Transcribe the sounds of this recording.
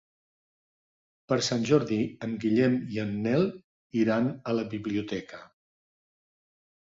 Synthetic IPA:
pəɾsanʲʒɔɾðiəmɡiʎɛmiənːɛlˠ | iɾanələβiβliut̪ɛkə

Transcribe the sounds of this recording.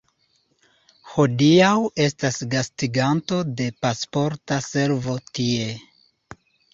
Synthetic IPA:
ho̞diawe̞stasɡastiɡanto̞de̞paspo̞ɾtase̞ɾvo̞tie̞

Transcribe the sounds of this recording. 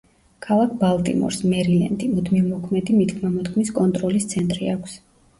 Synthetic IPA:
kʰalˠak̚ʰbalˠt̪ʼḭmɔ̰ɾsmɛɾilɛ̰nd̪imud̪mivmɔkʰmɛd̪imit̪kʰmamɔt̪kʰmiskʼɔnt̪ʼɾɔlist̪sʰɛnt̪ʼɾiakʷʰs

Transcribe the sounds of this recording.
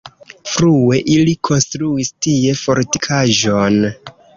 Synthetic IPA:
fɾueʔilikʰo̞nstɾuistie̞fo̞ɾti̥kʰaʒon

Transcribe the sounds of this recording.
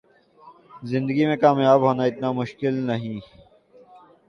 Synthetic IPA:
zɪ̃nd̪əɡimẽkaːmjaːbɦoːnaɪt̪namʊʃkɪlnɐɦĩː

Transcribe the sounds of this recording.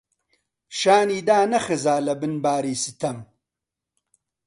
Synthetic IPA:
ʃaːniːd̪aːnɐxɨzaːlɐbɨnbaːɾiːsɨ̥t̪ʰɐm

